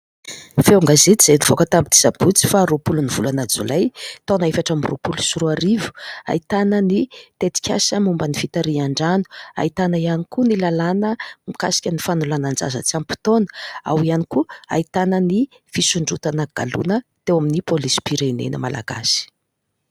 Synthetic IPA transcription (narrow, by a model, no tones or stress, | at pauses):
feuŋɡazeiz̥enivokət̪ambid̪isab̥ut͡si̥faɾopuluniv̥ulanad͡zṵlajt̪onaefaʈ͡ʂamiro̰pulusuɾuaɾivu̥a̰it̪anənit̪et̪i̥kʲa̰səmumbənifit̪aɾiaɳɖ͡ʐanu̥a̰it̪anaianikunilalanəmikasi̥kʲənifanulanand͡za̰zə̰t͡siampi̥t̪onə̥a̰wianikua̰it̪anəni | fisuɳɖ͡ʐut̪anəɡ̥a̰lṵnət̪ewaminipolispiɾenḛnə̰mala̰ɡa̰si̥